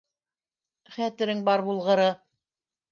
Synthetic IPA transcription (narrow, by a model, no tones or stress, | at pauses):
χæt̪ɘ̆ɾɘŋbɑɾbulˠʁɤ̆ɾɤ